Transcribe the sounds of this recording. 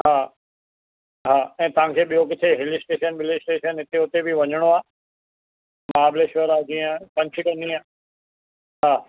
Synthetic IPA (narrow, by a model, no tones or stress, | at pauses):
ɦaː | ɦaːɛ̃ːt̪ɐʋ̤ãkʰeːɓijokɪt̪ʰeɦɪlɪsʈeːʃənbɪlɪsʈeːʃənɦɪt̪eʊt̪ebɪʋɐɲəɽ̃oaː | maːbleʃəɾaːd͡ʑiːə̃kɐ̃ɲt͡ɕʰikɐ̃nd̪iaː | ɦaː